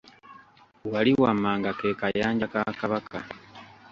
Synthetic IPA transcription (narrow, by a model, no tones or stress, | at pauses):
waliwamaːŋɡake̞kajaːɲɟakakaβaka